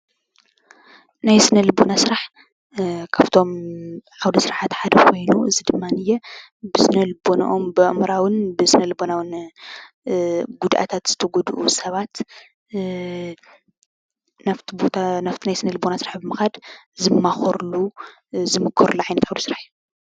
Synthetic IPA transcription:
najsɨnɐlbonasɨɾaħ | kʰaβt̪ʰo̞mʕawd̪ɐsɨɾaħat̪ħad̪ɐkʰo̞jnuɨzɨd̪ɨmːanɨjːɛ | bɨsɨnɐlɨbona̰ʔombɨʔmɾawɨnbɨsɨnɐlbonawɨn | ɡud̪ʔa̰t̪ʰat̪z̥ɨt̪ʰɐɡɔd̪ʔusɐβat̪ | naft̪ʰibot̪ʰanaft̪ʰinajsɨnɐlbonasɨɾaħbɨmɨxad̪zɨmːaxɐɾlu | zɨmɨkʰːɐɾulːuʕajnɐt̪ʕawd̪ɐsɨɾaħju

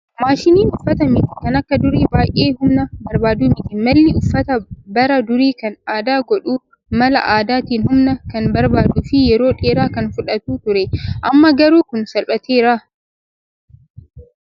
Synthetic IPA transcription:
maːʃɪniːnʔʊfːɐtamɪti̥kɐnɐkːadʊɾiːbaːʔʲʼeːhʊmnabɐɾbaːduːmɪtimɐlːiʔʊfːɐtabɐɾadʊɾiːkɐnʔaːdaːɡʷɔɗuː | mɐla̰ʔaːdatɪnhʊmnakɐnbɐɾbaːduːfiːjɛɾoɗeːɾaːkɐnfʊɗɐtuːtʊɾeʔamːaːɡɐɾuːkʊnsɐlɓɐteːɾaː

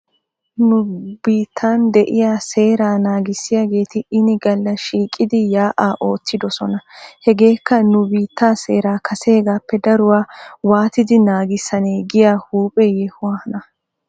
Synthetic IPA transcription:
nʊbiːt̪ʰːaːnd̪ɛʔɪjaːse̞ːɾaːnaːɡɪsːɪjaːɡe̞ːt̪ɪɪnɪɡɐlːɐʃiːkʼːɪd̪ɪjaːʔaːʔo̞ːt̪ːɪd̪ɔsɔnɐhɛɡe̞ːkːɐnʊbiːt̪ʰːaːse̞ːɾaːkʰɐseːɡaːpːɛd̪ɐɾʊwaːwaːt̪ɪd̪ɪnaːɡɪsːɐneːɡɪjaːhuːpʼɛjɛhʊwahɐnɐ

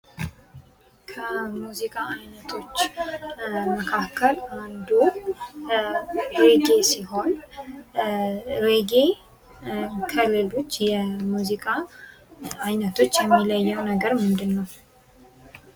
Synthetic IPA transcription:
kʰəmuzikʼaajnət̪ʰo̞t͡ʃː | məkʰakʰːəland̪u | ɾeɡesiɦo̞n | ɾeɡe | kʰəlɨlo̞t͡ʃːjɛmuzikʼa | ajnət̪ʰo̞t͡ʃːjɛmːiləjːɛwnəɡəɾmɨnd̪ɨnːəw

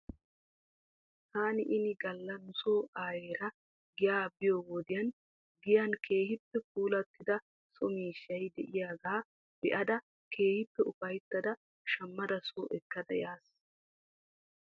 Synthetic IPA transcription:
t̪aːnɪʔɪnɪɡɐlːɐnʊsoːʔaːjeːɾɐ | ɡɪjaːbɪjoːwoːd̪ɪjɐn | ɡɪjankʰe̞ːhɪpːɛfuːlɐt̪ːɪd̪ɐ | sɔmiːʃːɐjd̪ɛʔɪjaːɡaː | b̥ɛʔɐd̪ɐ | kʰe̞ːhɪpːɛʔʊfɐjt̪ːɐd̪ɐ | ʃɐmːɐd̪ɐsoːʔɛkːɐd̪ɐjaːs

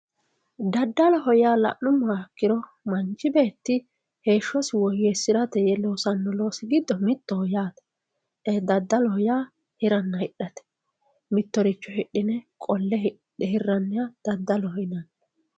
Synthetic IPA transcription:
d̪ɐd̪ːɐlɔɦɔjaːlɐ̰ʔnʊmːaːkːɪɾɔ | mɐnt͡ʃːɪbe̞ːt̪ːɪ | he̞ːʃːɔswɔjɛsɪɾɐt̪ɛjɛloːsɐnːɔlo̞ːsɪɡɪd̪ːɔmɪt̪ːɔhɔjaːt̪ɛ̥ | ɛd̪ɐd̪ːɐlɔhɔjaː | hɪɾɐnːɐhɪɗːɐt̪ɛ̥ | mɪt̪ːɔɾɪt͡ʃːɔhɪɗːɪnɛkʼɔlːɛh | ɪɦɪrːɐnːɪjad̪̥ɐd̪ːɐlɔhɔjnɐnː

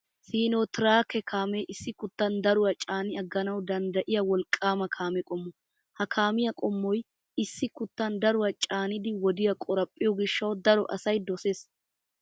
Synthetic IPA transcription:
siːnot̪ɪɾaːkɛkʰaːmeʔɪsːɪkʊt̪ːɐnd̪ɐɾʊwɐt͡ʃʼaːnɪɐɡːɐnɐwd̪ɐnd̪ɐʔɪjɐwɔlkʼːaːmɐkʰaːmɛkʼɔmːɔ | hɐkʰaːmɪjɐkʼɔmːɔj | ɪsːɪkʊt̪ːɐnd̪ɐɾʊwɐt͡ʃʼaːnɪd̪ɪwɔd̪ɪjɐkʼɔɾɐpʼːɪjɔɡɪʃːɐwd̪ɐɾɔ̰ʔɐ̰sɐjd̪ɔseːs

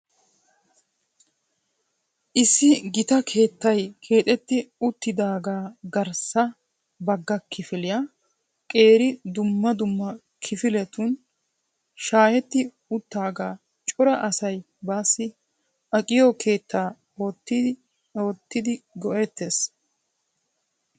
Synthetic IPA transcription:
ʔɪsːɪɡɪt̪ɐkʰe̞ːt̪ːɐjkʰe̞ːt̪ʼɛt̪ːɪʊt̪ːɪd̪aːɡaːɡɐɾsɐ | bɐɡːɐkʰɪfɪlɪjaː | kʼe̞ːɾɪd̪ʊmːɐd̪ʊmːɐ | kʰɪfɪlɛt̪ʊn | ʃaːjɛt̪ːɪ | ʊt̪ːaːɡaː | t͡ʃʼɔɾɐʔɐsɐj | baːsːɪ | ɐkʼɪjokʰe̞ːt̪ːaː | oːt̪ː | oːt̪ːɪd̪ɪɡɔʔet̪ːeːs

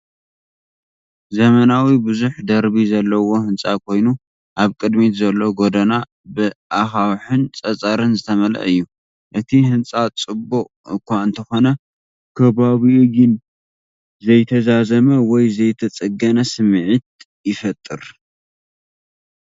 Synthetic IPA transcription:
zɐmɐnawibɨzuħd̪ɐɾβizɐlːɐwo̞hɨnt͡sʼakʰo̞jnu | ʔaβkʼɨd̪mizɐlːo̞ɡo̞d̪ɐna | bɨʔaxawħɨnt͡sʼɐt͡sʼɐɾɨnzɨt̪ʰɐmɐlɐ̰ʔɨjːu | ʔɨt̪ʰihɨnt͡sʼat͡sʼɨbuʔʼ | ɨkʰʷaɨnt̪ʰɐxo̞nɐ | kʰɐβaβiɡɨn | zɐjt̪ʰɐzazɐmɐwɔjzɐjt̪ʰɐt͡sʼɨɡɐnɐsɨmʕɨt̪̚ | jɪfɐt̪ʼːɨɾ

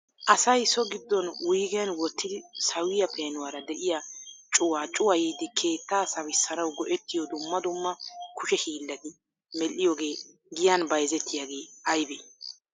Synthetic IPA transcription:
ʔɐsɐjsɔɡɪd̪ːɔnwijːɡɛjɐnwɔt̪ːɪd̪ɪsɐwɪjɐpʰeːnʊwaːɾɐd̪ɛʔɪjat͡ʃʼʊwaːt͡ʃʼʊwɐjiːd̪ɪkʰe̞ːt̪ːaːsɐwɪsːɐnɐwɡɔʔɛt̪ːɪjɔd̪ʊmːɐd̪ʊmːɐkʊʃɛhiːlːɐd̪ɪ | mɛlːɪjoːɡe̞ː | ɡɪjaːnbɐjzɛt̪ːɪjaːɡe̞ːɐjbe

